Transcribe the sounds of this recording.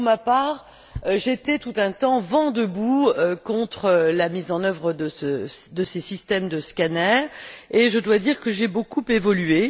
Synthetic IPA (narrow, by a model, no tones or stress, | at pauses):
pʁmapaʁ | ʒet̪ɛt̪ut̪ɛ̃t̪ɑ̃vɑ̃d̪əbuøkɔ̃t̪χəlamizɑ̃nœvʁəd̪əsəd̪əsesist̪ɛmd̪əskʲanɛʁeʒəd̪wad̪iʁkəʒebokupevɔlye